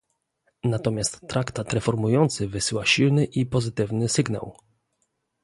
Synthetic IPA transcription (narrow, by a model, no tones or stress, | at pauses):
nat̪ɔmʲjast̪ːɾʔakt̪at̪ɾɛfɔɾmujɔnt̪sɘvɘsɘwaɕilnɘʔipɔzɘt̪ɘvnɘsɘɡna̰w